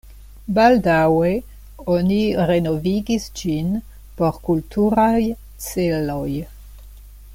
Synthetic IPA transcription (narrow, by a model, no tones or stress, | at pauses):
baldawe | oniɾe̞noviɡisd͡ʒin | po̞ɾkultuɾaj | t͡selo̞j